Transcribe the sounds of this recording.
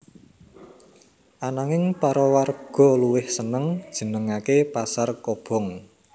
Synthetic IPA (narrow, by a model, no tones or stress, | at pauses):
ʔanaŋɪŋpaɾɔwarɡ̥ɔ̤luwɪhsənəŋd̥ʒ̥ə̤nəŋakepasarkob̥ɔ̤ŋ